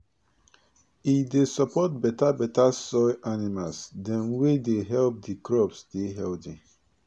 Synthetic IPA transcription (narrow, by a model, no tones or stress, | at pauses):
idesɔpɔt̚bɛtabɛtasɔɪʔanimalsdãnwedeɦɛlp̚dikɹɔpsdeɦɛldĩ